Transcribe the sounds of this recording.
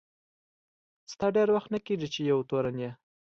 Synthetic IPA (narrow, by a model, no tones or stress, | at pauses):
st̪ɑɖeɾwaxt̪nəkeʐit͡ʃejawt̪oɾanje